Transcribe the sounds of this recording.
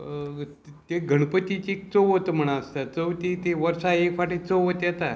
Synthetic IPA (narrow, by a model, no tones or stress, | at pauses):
t̪eɡʱəɳ̃pət̪it͡ɕik̚t͡səwɦot̪m̤əɽ̃ãəst̪at͡səwt̪it̪eʋəɾsaekfaʈit͡səwɦot̪jɛt̪a